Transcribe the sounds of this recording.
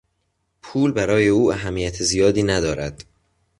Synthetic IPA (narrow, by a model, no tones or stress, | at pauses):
pʰuːlbæɾɒːje̞uːæɦæmːijæt̪ʰezijɒːd̪iːnæd̪ɒːɾæd̪̥